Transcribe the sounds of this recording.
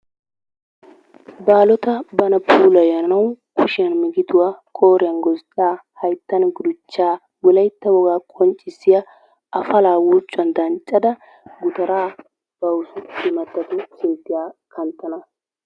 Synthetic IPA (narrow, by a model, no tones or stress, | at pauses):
baːlɔt̪ɐbɐnɐpʰuːlɐjɐnɐnɐwkʰʊʃɪjɐnmɪɡɪd̪ʊwaːkʼoːɾɪjɐnɡɔsɗaːhɐjt̪ːɐnɡʊd̪ʊt͡ʃːaː | wʊlɐjt̪ːɐwɔɡaːkʼɔnt͡ʃʼːɪsːɪjɐ | ʔɐfɐlaːwuːt͡ʃʼːʊɐnd̪ɐnt͡ʃʼːɐd̪ɐ | ɡʊt̪ɐɾaː | b̥ɐwʊsʊɪmɐt̪ːɐt̪ʊseːt̪ːɪjaːkʰɐnt̪ːɐnɐ